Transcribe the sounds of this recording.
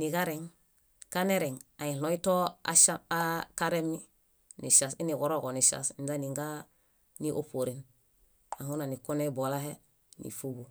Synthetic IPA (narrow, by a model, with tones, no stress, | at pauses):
nikaɾeŋ | ka˦neɾe˨ŋa˨ĩ˨lo˦i˦to˦aʃaakaɾemːi | ni˨ʃa˨si˦ni˨ko˨ɾo˦ɡo˨ni˨ʃa̰sinzaniŋɡa | niʔo˨po˨ɾin | a˨huna˨ni˨ko˦nebolaɦe˦ | nḭ˨fu˦bu